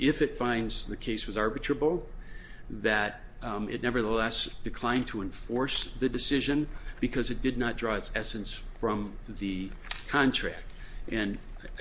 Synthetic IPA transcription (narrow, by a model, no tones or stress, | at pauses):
ɪfɨtfãɪ̃nzðɨkʰeɪswʌzɑɹbɨtɹ̥əbl̩ˠ | ðɨɾ | ɪ̰tⁿnɛvə˞ðəlɛsd̥ɨkʰl̥ãɪ̃ntʰəɨ̃ɱfɔɹsðɨdɨsɪʒɨ̃nb̥ɨkʰʌzɨt̚d̥ɨdⁿnət̚d̥ɹɔɨtsɛsɨ̃nsfɹʌ̃mðɨkʰɑ̃ntʰɹ̥æ̰k̚t̚ | ʔɨ̃n